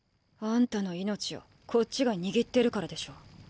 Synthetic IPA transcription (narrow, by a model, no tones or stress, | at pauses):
ãnt̪ano̞ino̞t͡ɕijo̞̰ | kʰo̞t͡ɕt͡ɕːiɡaɲ̟iɡʲit̪ːe̞ɾɯ̟kaɾad̪e̞ɕo̞ː